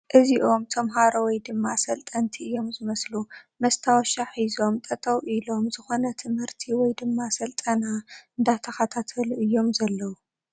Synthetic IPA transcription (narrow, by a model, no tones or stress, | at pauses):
ʔɨziʔo̞mt̪ʰɐmɦaɾɐwɔjd̪ɨmːasɐlt̪ʼɐnt̪ʰiɨjːo̞mzɨmɐslumɐst̪ʰawɔʃaħizo̞mt̪ʼɐt̪ʼʰɐwʔilo̞mzɨxo̞nɐt̪ʰɨmhɨɾt̪ʰiwɔjd̪ɨmːasɐlt̪ʼɐnaɨnd̪at̪ʰːɐxat̪ʰat̪ʰɐluʔɨjːo̞mzɐlːɐwu